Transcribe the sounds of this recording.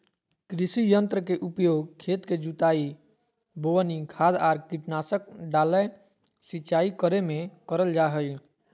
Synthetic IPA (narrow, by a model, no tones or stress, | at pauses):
kɾisijənt̪ɾəkeʔupjoɡkʰet̪ked͡ʒut̪ai | boʋənikʰad̪aːɾkiʈnasək̚ɖalə | sit͡ʃaikəɾemẽkəɾəld͡ʒaɦəl